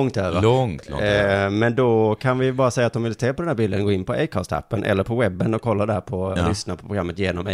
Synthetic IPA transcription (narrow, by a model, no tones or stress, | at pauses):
ŋt̪øːɾaɔ̰ | mɛnd̪ɔkʰanvɪbɑːɾasɛjːat̪d̪ɔmvɪlseːpʰɔd̪ɛnæːbiːld̪ənɡoːɪnːpʰɔejkʰɑst̪ʰa̰pːənʔɛ̰lːəɾpʰɔwɛbːənɔkʰːɔlːad̪æːɾpʰɔlʏsnaɾpʰɔpʰɾʊɡɾamːət̪jeːnɔmɛ̰